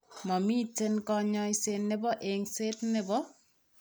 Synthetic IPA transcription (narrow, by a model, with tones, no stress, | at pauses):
mɔ˨mi˦te˦nkɔ˧ɲɔ˦jse˨nːɪ˦bɔ˦ʔeŋse˦tnɪ˦bɔ˦